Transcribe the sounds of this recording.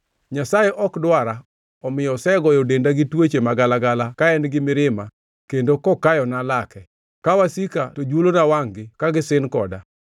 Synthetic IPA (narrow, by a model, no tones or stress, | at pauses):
ɲasajɛʔɔkdwaɾa | ɔmɪjɔsɛɡɔjodendaɡɪtwet͡ʃemaɡalaɡalakaɛnɡɪmɪɾɪma | kendokɔkajɔnalakɛ | kawasikatod͡ʒwolonawaŋɡɪkaɡɪsɪnkɔ̰da